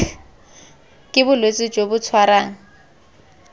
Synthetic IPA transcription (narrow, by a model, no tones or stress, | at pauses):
kʼɪbʊlwet͡sʼɪd͡ʒobʊt͡sʰwaɾaːŋ̩